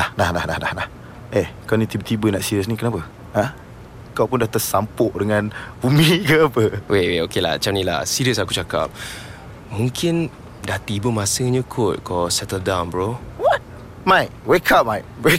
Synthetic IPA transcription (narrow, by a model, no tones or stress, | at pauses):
ahnahnahnahahnah | ekaanət̪ibət̪ibənaʔsiɾəs̬nĩkənapə | hã | kawpʊndaht̪əsampʊʔdəŋãnbumikəapəwʔeʔweokela̰hat͡ʃamnila̰siɾiəsakut͡ʃaka̰p̚ | muŋkʰɪn | daht̪ibəmasəɲəkʰʊt̚kɔsɛt̪əldãwnbɹowɔt̚ | majk̚wekʰap̚majk̚we